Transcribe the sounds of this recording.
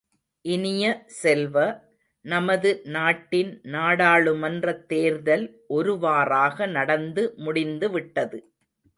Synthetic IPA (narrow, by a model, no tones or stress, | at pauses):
ʔɪnɪjɐsɛlʋɐ | nɐmɐðɯnaːʈːɪnnaːɽaːɭɯmɐndrɐt̪ːeːɾðɐlʔɔɾɯʋaːraːɣɐnɐɽɐnd̪ɯmʊɽɪnd̪ɯʋɪʈːɐðɯ